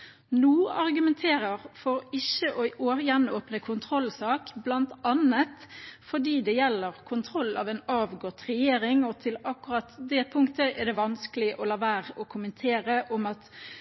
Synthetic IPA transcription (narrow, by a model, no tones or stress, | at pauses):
nuːɑʁɡʉmɛnt̪ʰeːɾəʁfɔɾɪçəʔɔʔoːjɛnoːpnəkʰʊnt̪ʰɾɔlːsɑːkblɑnt̪ɑnət̪fɔɖiːd̪ɛjɛlːəʁkʰʊnt̪ʰɾɔlːɑ̰ːʋɛːnɑːʋɡɔt̪ʁɛjeːɾɪŋɔt̪ʰɪlɑkːʉʁɑt̪d̪ɛpʰʊŋkt̪əʔɛd̪ɛʋɑnskəlɪʔɔlɑːʋæːʁɔkʰʊmənt̪ʰeːɾəʔɔmɑt̪